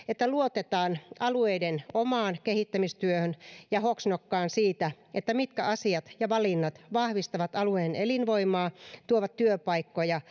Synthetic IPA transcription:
et̪ːæluot̪et̪ɑːnɑlueidenomɑːnkehit̪ːæmist̪yøhønjɑhoksnokːɑːnsiːt̪æ | ʔet̪ːæmit̪kæʔɑsiɑt̪jɑʋɑlinːɑt̪ʋɑhʋist̪ɑʋɑt̪ɑlueːnelinʋoimɑːt̪uoʋɑt̪tyøpɑikːojɑ

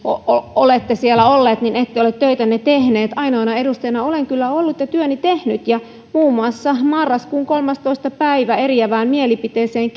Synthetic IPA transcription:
ooolet̪ːesielːæolːeːt̪ninet̪ːejolet̪t̪øit̪ænːet̪ehneːt̪ɑinoinɑedust̪ejnɑoleŋkylːæolːut̪jɑt̪yønit̪ehnyt̪jɑ | muːmuɑsːɑmɑrːɑskuːŋkolmɑst̪oist̪ɑpæiʋæeriæʋæːmmielipit̪eːseːŋk

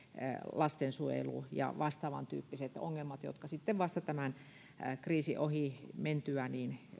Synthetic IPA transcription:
lɑst̪ensuḛlṵjɑ̰ʋɑst̪ɑːʋɑ̰nt̪y̰ːpːiset̪o̰ŋːelmɑt̪jo̰t̪kɑsit̪ːeʋʋɑst̪ɑt̪æmæn | kriːsḭʔohiment̪yæniːn

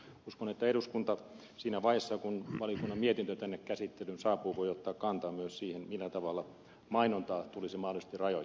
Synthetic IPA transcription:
uskonet̪ːæeɾuskunt̪ɑ | siːnæʋɑjesːɑkunʋɑlijokunːɑmmiet̪int̪øt̪ænːekkæsit̪ːelynsɑːpuːʋoiot̪ːɑːkkɑnt̪ɑːmyøssiːhenmilːæt̪ɑʋɑlːˑɑ | mɑinont̪ɑːt̪ulisemɑhdolisest̪irɑjo̰

